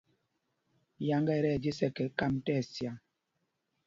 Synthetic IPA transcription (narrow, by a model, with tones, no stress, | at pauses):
ja˨ŋɡɛ˦˨ɾɛ˦˨d͡ʒi˦sɛ˦kɛ˨˦ka˦˨mtɛ˦˨sja˨ŋ